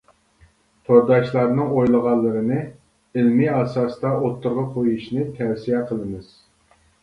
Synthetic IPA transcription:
t̪ʰoɾd̪ɑʃlˠɑɾnɨŋojlˠəʁɑlˠːɨɾɨnɨ | ɪlmiɑsɑst̪ɑot̪ʰːʊɾʁɑqʰojuʃnɨt̪ʰɛwsijɛqʰəlˠɨmɨz̥

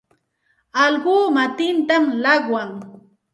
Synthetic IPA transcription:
ɑlɢuːmat̪ɪnt̪amlɑχwaŋ

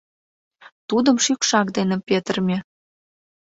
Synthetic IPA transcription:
t̪ud̪əmʃykʃɑk̚d̪enĕpʲet̪ərmʲe

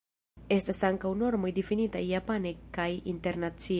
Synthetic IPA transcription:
e̞stasaŋkawno̞ɾmo̞jdefinita̰jːapanekajḭnte̞ɾnat͡si

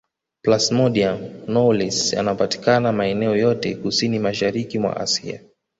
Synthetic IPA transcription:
plasmɔɗianɔlɛsja̰naɔpati̥kanamaɛnɛɔjɔtɛkusinimaʃaɾikimwa̰ʔa̰sḭa̰

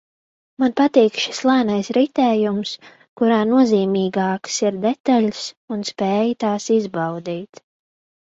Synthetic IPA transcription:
manpat̪iːkʃi̥slˠaːnajsɾit̪ɛːjums | kuɾaːnuɔziːmiːɡaːksiɾd̪ɛt̪alʲs | unspɛːjt̪aːsizbawd̪iːt̪

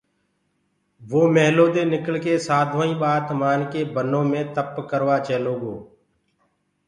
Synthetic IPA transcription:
ʋoːmɛːɦloːd̪eːnɪkəlkeːsaːd̪ʱõːĩːɓaːt̪maːnkeːbənõːmẽːt̪əpkəɾʋaːt͡ʃeːloːɠoː

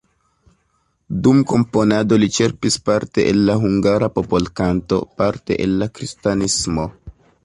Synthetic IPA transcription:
dumko̞mpo̞nado̞lit͡ʃe̞ɾpispaɾte̞ʔelːaɦuŋɡaɾapo̞po̞lkanto̞̰paɾte̞̰ʔelːakɾistanismo̞

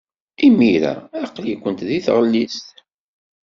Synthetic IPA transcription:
imiɾæ̰ɑqːlikʷːənt̪ðiθʁəlːist̪

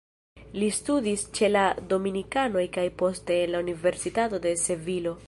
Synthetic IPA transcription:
listudist͡ʃe̞lado̞minikano̞jkajpo̞ste̞ːnlaunive̞ɾsitato̞de̞se̞vilo̞

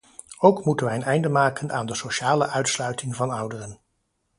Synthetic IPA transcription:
owkmutənʋɛjənɛjndəmaːkənʔa̰ːndəsoʃaːləʔœɥtslœɥtɪŋvɑnɔwdərən

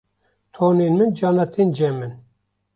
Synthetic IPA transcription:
t̪ʰoːneːnmɨnd͡ʒɑːnɑt̪ʰeːnd͡ʒɛmɨn

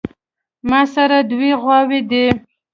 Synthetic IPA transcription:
mɑsaɾad̪wiɣwɑwed̪e

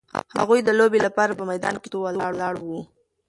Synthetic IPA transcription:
ha̰ɣujd̪əlobelapɑɾapəmajd̪ɑ̰nket̪owalɽlɑɽwu

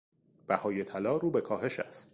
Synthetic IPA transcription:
b̥æhɒːjet̪ʰælɒːɾuːbe̞kʰɒːɦe̞ʃæ̰st̪̚

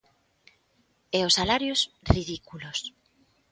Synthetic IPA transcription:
ɛosalaɾjosriðikulos

